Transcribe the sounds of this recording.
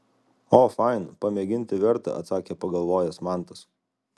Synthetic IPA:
oːfɑɪnpɐmʲeːɡʲɪnʲt̪ʲɪʋʲɛɾt̪ɐ̰ʔɐ̰t̪sɑːkʲeːpɐɡɐlˠʋoːjɛsmɑˑnt̪ɐs

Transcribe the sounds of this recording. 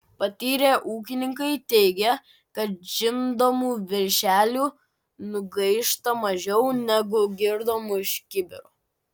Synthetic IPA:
pɐt̪ʲiːɾʲeːʔuːk̬ʲɪnʲɪŋkɐɪt̪ʲɛɪɡʲɛ | kɐt̪ʒʲɪnd̪oːmuːʋʲɪɾʲʃʲæːlʲuː | nʊɡɐɪʃt̪ɐmɐʒʲɛʊnʲɛɡʊɡʲɪɾd̪oːmʊɪʃʲkʲɪbʲɪ̰ɾo

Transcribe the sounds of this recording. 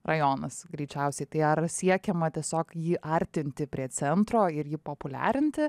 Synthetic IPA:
rʔɐjoːnɐsɡɾʲiɪt͡ʃʲɛʊsʲɛɪt̪ɐɪɐɾsʲiɛkʲɛmɐt̪ʲiɛsʲoːkjiːʔɐɾʲt̪ʲɪnʲt̪ʲɪpʲɾʲiɛt͡s̪ʲɛnt̪ɾoːɪɾjiːpoːpʊlʲæ̰ːɾʲɪnʲt̪ʲɪ

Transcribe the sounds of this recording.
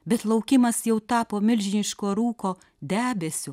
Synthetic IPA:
bʲɛt̪lˠɐʊkʲɪmɐsjɛʊt̪ɑːpoːmʲɪlʲʒʲɪnʲɪʃkoːɾuːkoː | d̪ʲæːbʲɛsʲʊ

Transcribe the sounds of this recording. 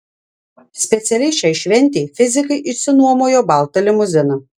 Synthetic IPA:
sʲpʲɛt̪sʲɛlʲɛɪʃʲɛɪʃʲʋʲɛnʲt̪ʲeːfʲɪzʲɪkɐɪʔɪʃʲsʲɪnuɔmoːjoːbɑˑlˠt̪ɐlʲɪmʊzʲɪnɐ

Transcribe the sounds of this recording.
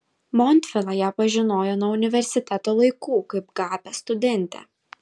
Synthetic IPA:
mɔnʲt̪ʲfʲɛlˠɑjæːpɐʒʲɪnoːjoːnuɔʊnʲɪʋʲɛɾʲsʲɪt̪ʲɛt̪oːlˠɐɪkuːkɐɪpɡɑːpʲɛst̪ʊd̪ʲɛnʲt̪ʲɛ̰ː

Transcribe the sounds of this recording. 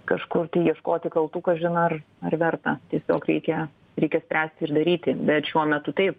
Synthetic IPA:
kɐʃkʊrt̪ɐɪjiɛʃkoːt̪ʲɪkɐlˠt̪uːkɐʒʲɪnɐɐr | ɐrʋʲɛrt̪ɐt̪ʲiɛsʲoːkɾʲɛɪkʲɛ | ɾʲɛɪkʲɛsʲpʲɾʲæːsʲt̪ʲɪɪrd̪ɐɾʲiːt̪ʲɪbʲɛt̪ʃʲuɔmʲɛt̪ʊt̪ɐɪp̚

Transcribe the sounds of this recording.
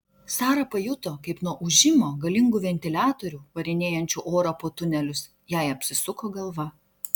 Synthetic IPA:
sɑːɾɐpɐjʊt̪oːkɐɪpnuɔʔʊʒʲɪmoːɡɐlʲɪŋɡuːʋʲɛnʲt̪ʲɪlʲæːt̪oːɾʲuːʋɐɾʲɪnʲeːjɛnʲt͡ʃʲuʔoːɾɐpoːt̪ʊnʲɛlʲʊs | jɛˑɪɐpʲsʲɪsʊkoːɡɐlˠʋɐ

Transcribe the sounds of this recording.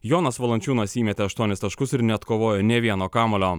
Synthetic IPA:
joːnɐsʋɐlˠɐnʲt͡ʃʲuːnoːsʲiːmʲɛt̪ʲeːɐʃt̪uɔnʲɪst̪ɐʃkʊsɪɾnʲɛɐt̪koːʋoːjoːnʲɛʋʲiɛnoːkɑːmɐlʲoː

